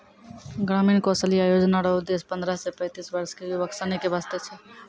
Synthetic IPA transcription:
ɡɾaminkɔsəliajod͡ʒnaɾəɦod̪espənd̪ɾasepə̃ɪ̃t̪isbəɾskebəksanikebast̪et͡ʃʰɛ

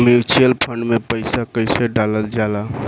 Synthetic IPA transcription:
miɾt͡ʃelpʰəɳɖmepəɪsakəɪseɖaləld͡ʒala

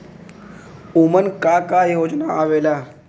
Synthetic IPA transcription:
umənkaːkaːjoːd͡ʒnaaːʋeːlaː

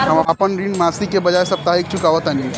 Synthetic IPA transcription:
ɦəməpənɾinmasikebəd͡ʒaesəb̚t̪aɾik̚t͡ʃʰʊkaʋət̪anĩ

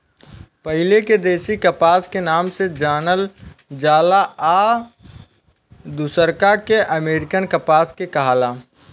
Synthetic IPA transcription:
pəɦɪleked̪eːsikəpaːskenaːmsed͡ʒaːnəld͡ʒaːlaa | d̪usəɾkakeʔəmeːɾɪkənkəpaːskekəɦaːlaː

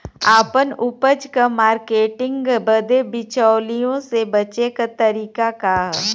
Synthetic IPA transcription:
aːpənʊpəd͡ʒkamaːɾkeːʈɪ̃ŋɡɡbəd̪ebɪt͡ʃaːlijõsebɐt͡ʃekat̪ɐɾiːkakaɦ

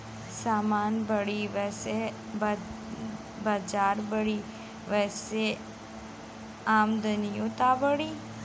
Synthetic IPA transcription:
saːmaːnbəɽiʋɛːse | b | baːd͡ʒaːɾbəɽi | ʋɛːse | aːmd̪ənijot̪abəɽi

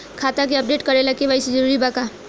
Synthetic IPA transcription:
kʰat̪akeəp̚ɖeʈkəɾelakeʋajsed͡ʒəɾuɾibaka

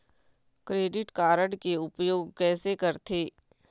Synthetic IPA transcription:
kɾeːɖɪʈkaːɾəɽkeʊpjoːɡ̚kɛːsekɐɾt̪ʰeː

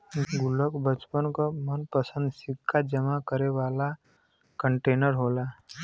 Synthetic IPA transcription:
ɡʊləkbət͡ʃpənkomənpəsə̃nd̪sɪkʰːad͡ʒəmakəɾeʋaːla | kə̃ɳʈeːnəɾɦoːlaː

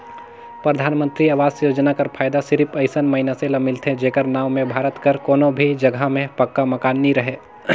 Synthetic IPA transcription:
pɾəd̪ʱaːnmə̃nt̪ɾiaːʋaːzjoːd͡ʒnakɐɾpʰaːjd̪asɪɾɪpʰɐɪsənmɐɪnaselɐmɪlt̪ʰed͡ʒeːkəɾnaːʋmẽbʱaːɾət̪kəɾkoːnõbʱid͡ʒɐɡʱamẽpɐkːamɐkaːnːiɾɐɦeː

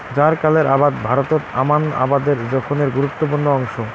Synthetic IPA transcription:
d͡ʑaɾkaleɾʔabad̪bʱaɾot̪ot̪amana̰bad̪eɾd͡ʑɔkʰoneɾɡuɾut̪ːop̬uɾnoɔŋʃo

